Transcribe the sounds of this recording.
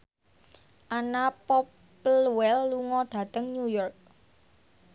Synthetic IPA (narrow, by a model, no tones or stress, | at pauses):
ʔanapɔp | lwɛlːuŋɔɖ̥ä̤t̪əŋnujɔrk̚